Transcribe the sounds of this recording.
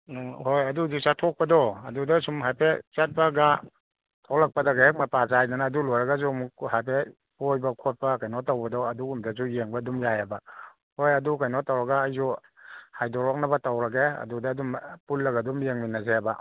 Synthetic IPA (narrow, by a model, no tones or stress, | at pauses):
hojɐduzik̚satʰɔk̚pɐdɔɐ̰dudasumɦajpʰet͡ʃat̚baɡa | tʰɔlak̚padaɡahek̚mapazajnanaːdulɔjɾɐɡazumuhajpʰe | pojbɐkʰot̚pakajnɔtawbɐdɔɐduumdazujeŋbadumjajaba | hojɐdukajnɔtawɾɐɡaːjzuhajdɔɾɔk̚nabatawɾaɡeɐ̰dudaːdumpulːɐɡadumjeŋminazeaba